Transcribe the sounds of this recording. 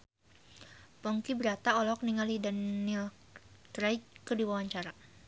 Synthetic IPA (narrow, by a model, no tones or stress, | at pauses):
pɔŋkibəɾat̪aɔlɔk̚niŋalidanːil | t̪ɾajkədiwawaɲt͡ʃaɾa